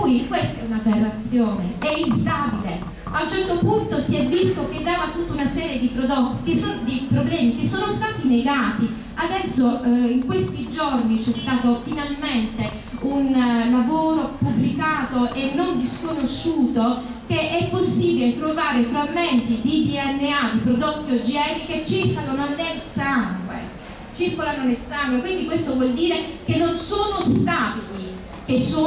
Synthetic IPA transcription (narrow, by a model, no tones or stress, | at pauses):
ujikwest̪aɛunaverːat̪sːjoːneɛinsaːbile | aunt͡ʃɛrt̪opunt̪osiɛvːist̪ok̟ed̪ːaːvat̪ut̪ːaunasɛːɾjed̪ipɾod̪ɔt̪ːi̥kesond̪ipɾoblɛːmikesːoːnost̪aːt̪ineɡaːt̪i | ad̪ɛsːoiŋkwest̪id͡ʒornit͡ʃɛst̪aːt̪ofinalment̪e | unlavoːɾopublikaːt̪oʔenːond̪iskonoʃːuːt̪o | k̟eʔɛpːosːiːbilet̪ɾovaːɾefɾamːent̪id̪id̪iɛnːead̪ipɾod̪ot̪ːiod͡ʒiɛniket͡ʃːirkanononːelsaŋɡwḛ | t͡ʃirkolanonelsaŋɡwekwind̪ikwest̪ovwɔld̪iːɾekenːonsoːnost̪aːbili | kesːoː